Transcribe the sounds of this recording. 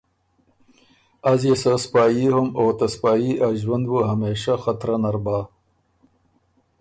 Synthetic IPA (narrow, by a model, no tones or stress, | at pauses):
ɐzjesaspaːjihʊmoːt̪ɐspaːjiʔaʒwɐnd̪buɦɐmeːʃaxɐt̪ɾɐnɐɾbaː